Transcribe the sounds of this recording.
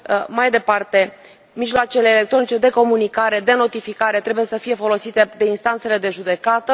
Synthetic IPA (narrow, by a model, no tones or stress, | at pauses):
majd̪e̞part̪e̞ | miʒloat͡ʃe̞le̞ːle̞k̚t̪ɾo̞nit͡ʃe̞d̪e̞ko̞munikaɾe̞d̪e̞no̞t̪ifikaɾe̞t̪ɾe̞bujesəfije̞fo̞lo̞sit̪e̞d̪e̞inst̪ant̪se̞le̞d̪e̞ʒud̪e̞kat̪ə